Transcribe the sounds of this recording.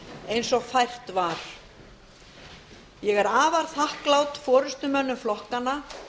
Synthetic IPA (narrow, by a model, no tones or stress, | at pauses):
ejnsɔɣfajr̥t̪vaɾ̥ | jɛɣɛɾaːvaɾ̥θahklawt̪fɔːɾʏst̪ʏmœnːʏmflɔhkanːa